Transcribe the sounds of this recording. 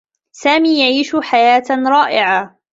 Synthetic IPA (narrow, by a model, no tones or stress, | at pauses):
saːmiːjaʕiːʃħajaːt̪ɾˤɑːʔɪʕa